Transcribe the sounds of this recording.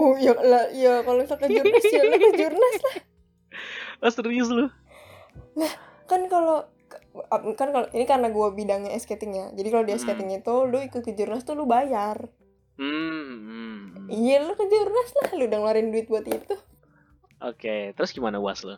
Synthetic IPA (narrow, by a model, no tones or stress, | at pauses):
ojalajakalosakəd͡ʒurnasjalʊkəd͡ʒurnaslah | əst̪ɾis̬lʊ | nah | kankalo | apkankaloʔinikaɾənaɡuabidaŋɲaɛsket̪ɪŋjad͡ʒadikalodiɛsket̪ɪŋit̪ulʊikʊt̪̚kəd͡ʒurnast̪ulʊbajar | m̩ | ijalʊkəd͡ʒurnaslahludaŋlaɾɪnduɪt̪̚buat̪it̪u | ʔo̰ket̪əɾʊsɡimanaua̰slʊ̰